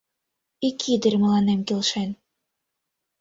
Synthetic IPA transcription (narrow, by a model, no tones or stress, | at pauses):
ikʰid̪ɘ̆ɾʲmə̆lɑnemkelʃen